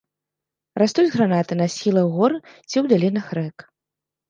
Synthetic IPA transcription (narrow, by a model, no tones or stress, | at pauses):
rast̪ud͡zʲɣɾanat̪ɨnɐsʲilˠɐɣɔrɨ | t͡sʲiwd̪alʲinɐxrɛk